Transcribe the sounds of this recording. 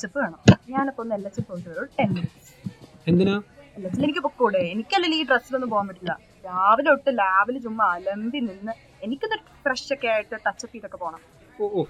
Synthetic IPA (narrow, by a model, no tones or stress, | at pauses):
t͡ɕːipːɨaːɳɐɲaːnopːɐnːelːɐt͡ɕːipːoʈːɐɐːɭoɽʈenminsend̪inaːelːɐt͡ɕːinenikʲːɨpokːuːɽeenikʲːɐlːɐliːɖrɐsilenːɨpoːjaːmpiʈːilːɐ̰ | laːʋinoʈːɨlaːʋilt͡ɕumːɐːlɐmd̪ʱininːɨ | enikʲːonːɐ | prɐʂɐkːeaːjiʈːɨt̪ɐt͡ɕːɐt̪ːiːt̪ːokːepo̞ːɳam | ooː